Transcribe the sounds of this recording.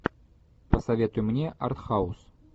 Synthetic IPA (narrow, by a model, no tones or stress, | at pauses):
pəsɐvʲe̞t̪ʊjmɘ̆nʲeʔɑ̰rt̪χɑus